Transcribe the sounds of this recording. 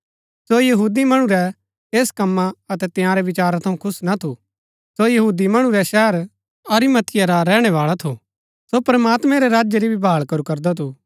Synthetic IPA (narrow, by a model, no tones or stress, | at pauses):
sojɐɦuːd̪imɐɽ̃uɾɛ | eːskɐmːaɐt̪ɛt̪ɪ̃jãɾɛʋɪt͡ʃaːɾat̪ʰɐũkʰʊsnat̪ʰu | sojɐɦuːd̪imɐɽ̃ũɾɛʃɛːəɾ | ɐɾimɐt̪ʰɪjaɾaɾɛːɽ̃ɛʋaːɭat̪ʰu | sopɾɐmaːt̪mɛ̃ɾɛɾaːd͡ʒəɾibʱibʱaːɭkɐɾukɐɾd̪at̪ʰuː